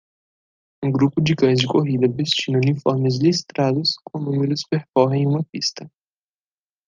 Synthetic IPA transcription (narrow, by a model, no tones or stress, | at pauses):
ũɡɾupʊd͡ʒɪkɐ̃j̃zd͡ʒɪkoɦid̪ɐvest͡ʃinɐunifɔɾmɪzlist̪ɾad̪ʊskõnũmɪɾʊspeɾkɔɦẽj̃ũmɐpist̪ɐ